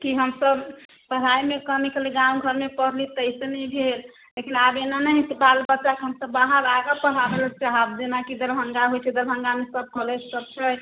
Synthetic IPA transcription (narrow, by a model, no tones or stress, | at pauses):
kiɦəmsəb | pəɽ̤aimekəmikəliɡãũɡʱəɾmepəɾlit̪əɪsenɛjbʱel | lekinabenanəɦisbalbətːʃakeɦəmsəbːaɦəɾaɡəpəɽ̤abelt͡ʃaɦəb̚d͡ʒenakid̪əɾbʱə̃ŋɡaɦojt͡ʃʰɛd̪əɾbʱəŋɡamesəb̚kɔled͡ʒsək̚t͡ʃʰɛ